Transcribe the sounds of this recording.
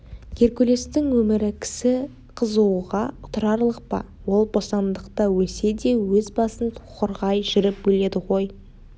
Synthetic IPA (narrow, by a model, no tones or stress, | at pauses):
kʲʰe̞ɾkʲɵle̞st̪ɪŋwɵmɪɾɪkʲʰɪ̥sɪ | qʰəzuwʁɑʊt̪ʰɾɑɾlˠəq̚pɑ̰ | wo̞lˠbo̞sɑnd̪əqt̪ɑwɵse̞d̪e̞wɵzbɑsənt̪ʰʊqəɾʁɑjʒɪɾɪp̚bɵle̞d̪ɪʁo̞j